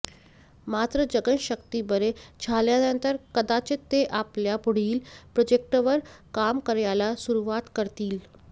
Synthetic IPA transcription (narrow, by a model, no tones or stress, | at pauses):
mat̪ɾəd͡ʑəɡənɕəkt̪ibəɾet͡ɕʰaljanənt̪əɾkəd̪at͡ɕet̪eʔapljapuɽ̤iːlpɾod͡ʑek̚ʈʋəɾkamkəɾjalasuɾuʋat̪kəɾt̪iːl